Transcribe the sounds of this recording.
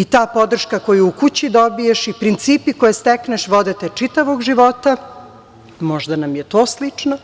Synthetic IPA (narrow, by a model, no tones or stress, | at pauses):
it̪aːpo̞d̪r̩ʃkako̞juukut͡ɕid̪o̞bijeʃipɾint̪siːpikojest̪ekneʃʋo̞d̪et̪et͡ʂit̪aʋoɡʒiʋo̞t̪a | mo̞ʒd̪anamjet̪o̞ːslit͡ʂna